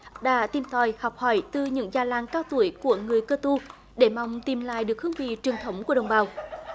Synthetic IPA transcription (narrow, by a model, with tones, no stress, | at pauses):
ɗa̰ː˧˥t̪i˨˩mt̪ʰɔ˨˩jhɔ˨˩wk͡p̚hɔ˧˩jt̪ɨ˨˩ɲɨ̰˧˥ŋzaː˨˩laː˨˩ŋkaː˧wt̪u˧˩əjku˧˩əŋɨ˨˩əjkəː˧t̪u˧ | ɗe˧˩ma˨wŋ͡mt̪i˨˩mla̰ː˧˨jɗɨ˨˩ək̚hɨ˧əŋvḭ˧˨t͡ɕɨ˨˩əŋt̪ʰə˨˦wŋ͡mku˧˩əɗə̰˨˩wŋ͡mɓaː˨˩w